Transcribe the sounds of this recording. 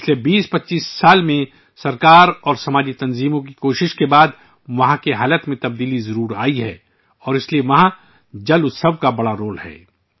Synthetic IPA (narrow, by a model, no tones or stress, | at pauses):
ɪt͡ʃlebiːspɐtːʃiːsːaːlmẽ | sɐɾkaːɾɔːɾsɐmaːd͡ʒit̪ɐnziːmõk̬ikoːʃɪʃkebaːd̪ | ʋɐɦãkeɦaːlət̪mẽt̪ɐb̚d̪iːlizɐɾuːɾaːiɦɛ̰ː | ɔːɾɪslieʋɐɦã | d͡ʒɐlʊsɐbkabɐɽaɾoːlɦɛ̰ː